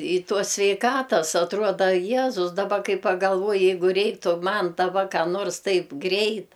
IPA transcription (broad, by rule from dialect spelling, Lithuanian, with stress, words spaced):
ɪ ˈtuɔs sʲʋʲɛɪˈkɑːtɐs ɐtˈruɔdɐ ˈjæːzʊs dɐˈbɐ ˈkɐɪ pɐɡɐlˠˈʋuɔjɪ ˈjɛɪɡʊ ˈrʲɛɪktʊ ˈmɐn dɐˈbɐ ˈkɑː noːrs ˈtɐɪp ˈɡrʲɛɪt